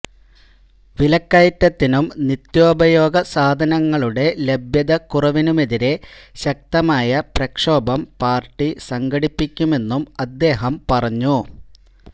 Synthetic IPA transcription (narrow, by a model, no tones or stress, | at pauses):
ʋilɐkːɐjt̪ːɐt̪ːinumnit̪jo̞ːbɐjo̞ːɡɐsaːd̪ʱɐnɐŋːɐɭuɽe̞lebjɐðɐkurɐʋinumeðiɾe̞ɕɐk̚t̪ɐmaːjɐprɐkʂo̞ːbɐmpaːrʈːisɐŋɡʱɐɽipːikʲːume̞nːumɐd̪ːe̞ːɦɐmpɐrɐɲːu